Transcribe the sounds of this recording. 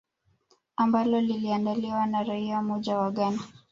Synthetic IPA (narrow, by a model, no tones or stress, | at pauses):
ambalɔliliandaliwanaɾaiamɔʄawaɠana